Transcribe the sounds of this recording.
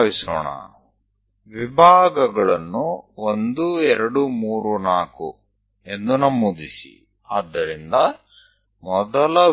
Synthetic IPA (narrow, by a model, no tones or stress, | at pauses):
ʋisɔ̰ːɳɐ̰ | ʋibʱaːɡɐɡɐɭɐnːuond̪uɛɾɐɽumuːɾunaːkṵ | e̞nd̪unɐmːud̪isḭ | aːd̪ːɐɾind̪ɐ | mɔd̪ɐlɐ